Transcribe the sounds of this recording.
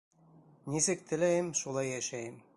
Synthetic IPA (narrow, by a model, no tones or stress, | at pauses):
nisɘk̚t̪ʰɘ̆læjɘmʃulˠɑjːæʃæjɘm